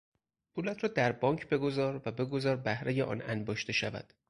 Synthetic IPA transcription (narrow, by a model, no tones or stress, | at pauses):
pʰuːlæt̪ʰɾɒːd̪æɾbɒːŋcʰbe̞ɡo̞zɒːɾvæbe̞ɡo̞zɒːɾbæhɾejeʔɒ̰ːnænbɒːʃt̪e̞ʃævæ̰d̪̥